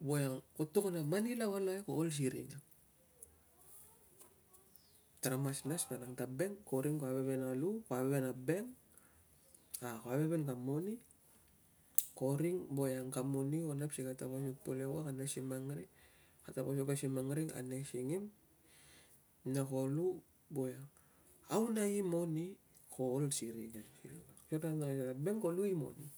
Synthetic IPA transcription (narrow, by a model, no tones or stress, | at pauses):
bojaŋkotukanamanilawalakoːls̬iɾḭna | tɾamasnaspanaŋtabeŋkoɾiŋkoaβeβenalukoaβeβenabeŋ | akoabeβenkamoni | koɾiŋbojaŋkamoniwonapʃikatabaɲupolewakanaʃimaŋɾi | kataboʃokaʃimaŋɾiŋa̰neʃiŋim | nakolu | bojaŋ | a̰unajimoni | kolsiɾid͡ʒankillaʃoɾanaaʃɔɾabɛŋkoluimo̰ni